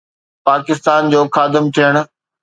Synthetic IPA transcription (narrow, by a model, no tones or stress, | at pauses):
paːkɪst̪aːnd͡ʑoːxaːd̪ɪmt̪ʰijəɽ̃ʊ̆